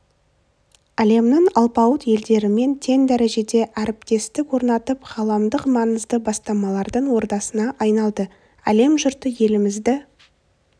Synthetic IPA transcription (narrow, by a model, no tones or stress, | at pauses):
æle̞mnɪɴɑlˠpɑwət̪je̞ld̪e̞ɾɪme̞nt̪ʰe̞nd̪æɾe̞ʒe̞d̪e̞ʔæɾɪpt̪e̞st̪ɪkwo̞ɾnɑt̪əpχɑlˠɑmd̪əqmɑnəzd̪əbɑst̪ɑmɑlˠɑɾd̪əɴwo̞ɾd̪ɑsənɑʔɑjnɑlˠd̪ə | æle̞mʒʊɾt̪əje̞lɪmɪzd̪ɪ